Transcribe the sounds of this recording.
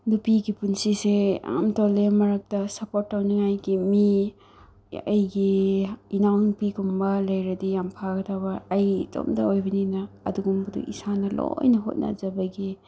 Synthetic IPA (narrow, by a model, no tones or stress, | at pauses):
nupiɡipunsisea̰mtolemɐɾɐk̚tɐsɐpotːawniŋajɡimi | ɐ̰jɡiinawnupiɡumbɐlɐjɾɐdijampʰaɡɐtʰabɐɐjto̰mdɐ̰ojbɐninɐ | ɐ̰duɡumbɐdṵʔḭsanɐlo̰jnɐɦo̰t̚na̰zɐbɐɡi